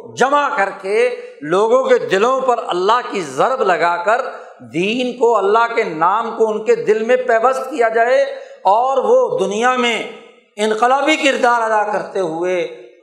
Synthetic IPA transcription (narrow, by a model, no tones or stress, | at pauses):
d͡ʒɐmakɐɾkeloːɡõked̪ɪlõpɐɾɐ̰lːaɦkizɐɾblɐɡaːkəɾ | d̪iːnkoɐlːaɦkenaːmkoʊnked̪ɪlmẽpɛːʋəst̪kijad͡ʒaːeɔːɾʋod̪ʊnijamẽ | ɪ̃nqɪlaːbikɪɾd̪aːɾɐd̪akɐɾt̪eɦʊeː